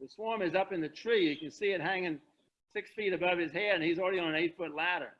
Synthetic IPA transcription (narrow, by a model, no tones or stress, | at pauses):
ðɨswɔɹmɨzʌpɨ̃nðɨtʰɹ̥ijɨkɨ̃nsiɨt̚ɦæ̃ŋɪ̃ŋ | sɪksfiɾɨbʌv̥ɨz̥hɛɾɨ̃nizl̩ˠɹɛɾiə̃nə̃neɪtfʊtˡlæɾə̰˞